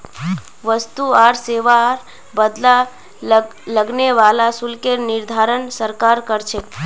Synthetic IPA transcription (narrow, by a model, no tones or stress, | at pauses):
ʋəst̪uaɾseʋaɾ | bəd̪la | ləɡneʋalasulkeɾnɪɾd̪ʱaɾəɳsəɾkaɾkəɾt͡ʃʰe